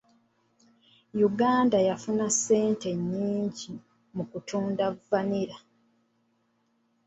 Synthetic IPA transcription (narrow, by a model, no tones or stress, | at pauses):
juɡaːndajafunasːe̞ːnte̞ɲːiːɲɟi | mukutʰuːndavːaniɾa